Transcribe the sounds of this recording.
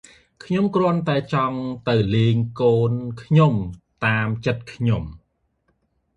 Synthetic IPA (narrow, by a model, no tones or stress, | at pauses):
kʰɲomkrŏənt̪aɛt͡ɕɑŋt̪ɨwleːŋkoːnkʰɲomt̪aːmt͡ɕət̪̚kʰɲom